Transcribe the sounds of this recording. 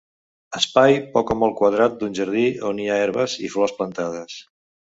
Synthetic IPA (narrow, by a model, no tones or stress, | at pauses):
əspajpɔkəmɔlˠkwəðɾat̪̚d̪unʲʒəɾð̞ioniaeɾβəzḭflɔsplənt̪að̞əs